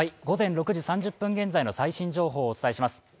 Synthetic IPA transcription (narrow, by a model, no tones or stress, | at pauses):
iɡo̞zẽ̞nɾo̞kɯ̟ʑisãɲ̟d͡ʑɯpːɯ̟̃ŋɡẽ̞nd͡zaino̞saiɕĩɲ̟d͡ʑo̞ːɦo̞ːt͡sɨ̥t̪aiɕimasɨ̥